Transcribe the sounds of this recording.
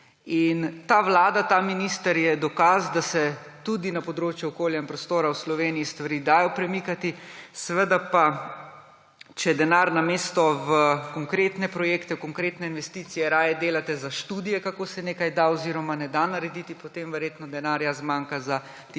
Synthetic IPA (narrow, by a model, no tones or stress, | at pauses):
int̪aʋlaːd̪at̪aminist̪əɾjɛd̪ɔkazd̪asɛ | t̪ud̪inapɔd̪ɾoːt͡ʃjuɔkoːljainpɾɔst̪oːɾawslɔʋeːnijist̪ʋaɾiːd̪aːjɔpɾɛmikat̪isɛʋəd̪apa | t͡ʃɛd̪ɛnaɾnameːst̪ɔʋəkɔŋkɾeːt̪nɛpɾɔjeːkt̪ɛkɔŋkɾeːt̪nɛinʋɛst̪it̪sijɛɾaːjɛd̪eːlat̪ɛzaʃt̪uːd̪ijɛkakoːsɛneːkajd̪aɔziːɾɔmanɛd̪anaɾɛd̪it̪ipɔt̪emʋɛɾjeːt̪nɔd̪ɛnaːɾjazmaːŋkaza | t̪ː